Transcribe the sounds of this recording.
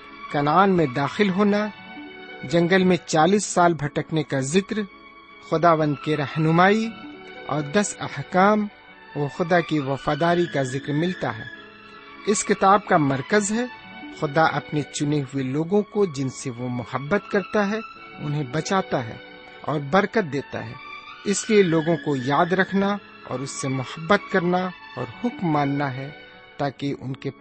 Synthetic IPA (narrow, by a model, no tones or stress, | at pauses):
kɐnaːnmẽd̪aːxɪlɦoːna | d͡ʒɐ̃ŋɡəlmẽt͡ʃaːliːsːaːlbʱɐʈəknekazɪkɾ | xʊd̪aːʋə̃nd̪̚keɾɐhnʊmaːiɔ̰ːɾd̪ɐsɐhkaːm | oːxʊd̪akiʋɐfaːd̪aːɾikazɪkɾmɪlt̪a̰ɦɛ̰ː | ɪskɪt̪aːb̚kamɐɾkəzɦɛ | xʊd̪aʔɐpnet͡ʃʊneɦʊeloːɡõkod͡ʒɪnseʋomʊhəbːət̪kɐɾt̪aɦɛ | ʊ̰nɦẽbɐt͡ʃaːt̪aɦɛ̰ː | ɔːɾbɐɾkət̪̚d̪eːt̪a̰ɦɛ̰ː | ɪslieloːɡõkojaːd̪ɾɐkʰna | ɔ̰ːɾʊsːemʊhəbːət̪kɐɾnaɔ̰ːɾhʊkmːãːnːaɦɛ | t̪aːkeʔʊ̰nke